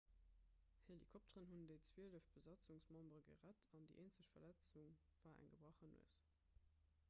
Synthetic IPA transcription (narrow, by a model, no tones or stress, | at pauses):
helikʰɔp̚təʁənɦundeɪt͡sw̥eːləfb̥əzɑt͡suŋsmɑmbʁəɡə̰ʁætʰɑndḭʔeːnt͡səɕfɐlæt͡suŋv̥aːæ̰ŋɡəbʁɑχənṵəs